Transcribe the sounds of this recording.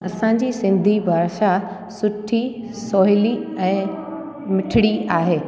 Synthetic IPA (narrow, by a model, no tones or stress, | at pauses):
ɐsãɲ̆d͡ʑisɪ̃nd̪ʱibʱaːɾʃa | sʊʈʰi | sɔːɦɪliɛ̃ː | mɪʈʰɪɽiaːɦeː